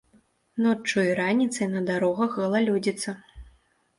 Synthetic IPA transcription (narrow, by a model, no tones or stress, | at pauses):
nɔt͡ʂːuiɾanʲit̪sɐjnɐd̪aɾɔɣɐxɣɐlˠalʲud͡zʲit̪sɐ